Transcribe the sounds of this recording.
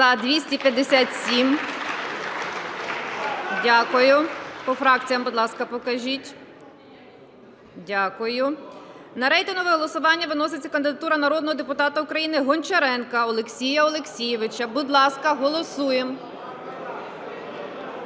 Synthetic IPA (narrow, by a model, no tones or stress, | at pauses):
zɐd̪ʋʲisʲtʲipʲjɐd̪ːesʲat̪ʲsʲim | dʲakʊjʊpɔfɾɑk̚t͡sʲijɐmbʊd̪lˠɑskɐpɔkɐʒʲitʲ | dʲakʊjʊ | nɐɾɛjt̪ɪnɦʊʋɪɦɔlˠɔsʊʋɑnʲːɐʋɪnɔsɪt͡sʲːɐkɐnd̪ɪd̪ɐt̪uɾɐnɐɾɔd̪nɔɦɔd̪epʊt̪ɑt̪ɐʊkɾɐjinɪɦɔnʲt͡ʃɐɾɛnkɐɔlˠeksʲijɐɔlˠeksʲijɪʋɪt͡ʃɐbʊd̪lˠɑskɐɦɔlˠɔsujem